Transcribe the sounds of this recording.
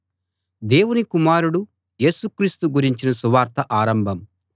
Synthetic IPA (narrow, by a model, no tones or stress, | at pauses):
d̪e̞ːwunikumaːɾuɽu | je̞ːsukɾiːst̪uɡuɾiɲt͡ʃinɐsuʋaːɾt̪ɐʔaːɾɐmbʱɐm